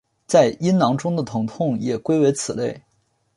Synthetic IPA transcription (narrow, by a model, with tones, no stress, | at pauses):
t͡sa˥˩ɪi˥nnɑ˧˥ŋʈ͡ʂʊ˥ŋd̪ə˨t̪ʰʊ˧˥ŋt̪ʰʊ˥˩ŋjɛ˨˩kwe˥ɪwe˧˥ɪt͡sʰɹ̩˨˩le˥˩ɪ